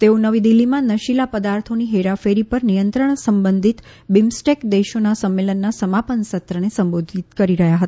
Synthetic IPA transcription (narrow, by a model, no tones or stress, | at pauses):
t̪eonəʋid̪ilːimãnəʃilapəd̪aɾt̪ʰoniɦeɾafeɾipəɾnijənt̪ɾəɳsəmbənd̪ʱit̪ | bimsʈekd̪eʃonasəmːelənːasəmapənsət̪ɾənesəmbod̪ʱit̪kəɾiɾəɦjaɦət̪aa